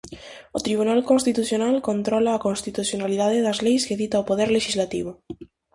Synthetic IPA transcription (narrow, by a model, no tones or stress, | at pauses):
ot̪ɾiβ̞unalkonst̪it̪uθjonalkont̪ɾɔlaːkonst̪it̪uθjonaliðaðeðɐzlejskeðit̪aopoð̞ɛɾleʃizlat̪ḭβ̞o